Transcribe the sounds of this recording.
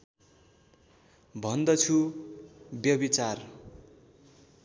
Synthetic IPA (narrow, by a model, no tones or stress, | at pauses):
bʱʌnd̪ʌt͡sʰu | bjʌbit͡sar